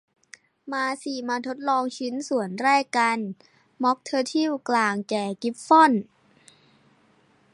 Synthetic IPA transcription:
maː˧siː˨˩maː˧t̪ʰo˦˥t̪̚lɔː˧ŋt͡ɕʰi˦˥nsu˨˩ənɾɛː˥˩kːa˧n | mɔ˦˥k̚t̪ʰɤː˧t̪ʰi˥˩wklaː˨˩ŋkɛː˨˩ki˦˥p̚fɔ˥˩n

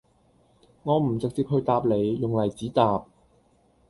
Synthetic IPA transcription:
ŋɔː˨˧m̩˨˩t͡sɪ˨k̚t͡siː˧p̚hɵ˧ɥt̪aː˧p̚le˨˧jːʊ˨ŋlɐ˨˩jt͡siː˨˥t̪aː˧p̚

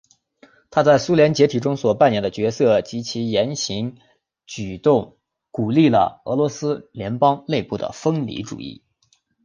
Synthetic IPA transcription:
t̪ʰa˥t͡sa˥˩ɪsu˥ljɛ˧˥nt͡ɕjɛ˧˥t̪ʰi˨˩ʈ͡ʂʊ˥ŋswɔ˨˩pa˥˩njɛ˥˩nd̪ə˧t͡ɕɥɛ˧˥sɤ˥˩t͡ɕi˧˥t͡ɕʰi˧˥jɛ˧˥nɕi˧˥ŋ | t͡ɕy˨˩t̪ʊ˥˩ŋ | ku˨˩li˥˩lə̰˩ɤ̰˧˥lwɔ˧˥sɹ̩˥ljɛ˧˥npɑ˥ŋle˥˧ɪpu˥˩d̪ə̰˩fɤ˥ŋlḭ˧˥ʈ͡ʂṵ˨˩ḭ˥˩

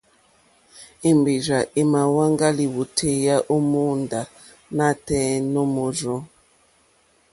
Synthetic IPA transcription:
i˨mbi˨ɾa˨ʔi˨ma˨wa˦ŋɡa˦li˨wu˨tʰe˦ja˦ʔo˦mu˦nda˨ | na˦˨tɛ̃˦no˦mo˨zɔ˦

